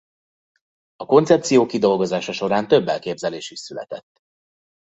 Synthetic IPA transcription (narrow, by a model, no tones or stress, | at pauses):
ɒko̞nsɛp̚t̪sijoːkid̪o̞lɡo̞zaːʃɒʃo̞ɾaːnt̪øbːɛlkeːbzɛleːʃiʃsylɛ̰t̪ɛt̪ː